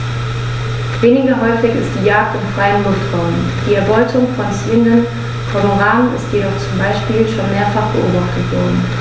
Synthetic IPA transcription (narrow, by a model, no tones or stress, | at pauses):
veːnɪɡɐɦɔʏfɪçɪst̚d̥iːjaːk̚tɪnfʁ̥aɪənlʊstʁ̥aʊnən̩ | d̥iːɛɐbɔʏtʰʊŋfɔnsiːəndən | fɔnoʁaːnənɪ̰stjedɔχt͡sʊmbaɪʃpiːlʃoːnmeːɐfaχb̥əʔo̰ːbaχtətv̥ɔɐdn̩